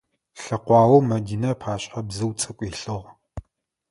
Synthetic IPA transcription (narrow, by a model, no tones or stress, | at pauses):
ɬɐqʷɑːwɐmɐdiːnɐpʰaːɕʼħɐbzɨwt͡sʼɐkʷʼiːɬɨʁ